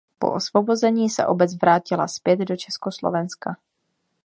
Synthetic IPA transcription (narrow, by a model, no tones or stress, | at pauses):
po̰ʔosvobo̞zɛɲiːsɛ̰ʔo̞bɛt͡svɾaːcɪla̰spjɛd̪do̞t͡ʃɛskoslo̰vɛnska